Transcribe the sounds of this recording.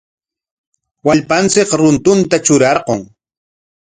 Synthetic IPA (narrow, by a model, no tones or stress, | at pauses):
waʎpant͡sɪkɾʊnt̪ʊnt̪at͡ʃʊɾɑɾqoŋ